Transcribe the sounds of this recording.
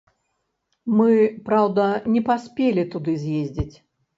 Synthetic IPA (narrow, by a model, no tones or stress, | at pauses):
mɨpɾawd̪ɐnʲɛpasʲpʲelʲit̪ud̪ɨzʲjezʲd͡zʲit͡sʲ